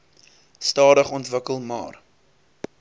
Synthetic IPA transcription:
stɑːɾəχɔntvəkəlˠmɑ̰ːr

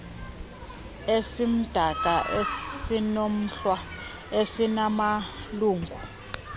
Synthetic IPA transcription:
esim̩d̥ʱakʼaʔesinom̩ɬwa | esinamaluːŋɡʱu

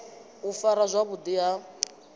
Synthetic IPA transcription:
ufaɾazʷaβud̪ia

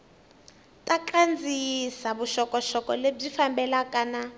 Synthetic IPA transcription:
tʼaǃand͡zʱisaβuʃɔkɔʃɔkʼɔleb͡ʐifambɛlakʼana

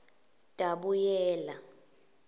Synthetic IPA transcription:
d̥ʼʱaɓujɛːla

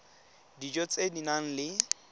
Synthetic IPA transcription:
did͡ʒɔt͡sʼedinaŋ̩lɪ

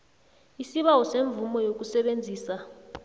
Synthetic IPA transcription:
isiɓawɔseɱvumɔjok̬ʼusɛɓend͡zʱiːsa

